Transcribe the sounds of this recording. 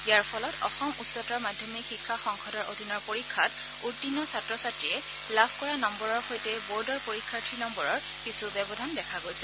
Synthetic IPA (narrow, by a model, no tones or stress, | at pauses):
ijaɹpʰɔlɔtɔ̰xɔmutsɔtɔɹmadʱjɔmikʰikʰːaxɔŋxɔdɔɹodʱinɔɹpoɹikʰːat | utːinːɔsatɹɔsatɹijɛ | labʰkɔɹanɔmbɔɹɔɹxojtɛboɹdɔɹpoɹikʰːatʰɹinɔmbɔɹɔɹ | kisubjɛbɔdʱandɛkʰaɡojsɛ̥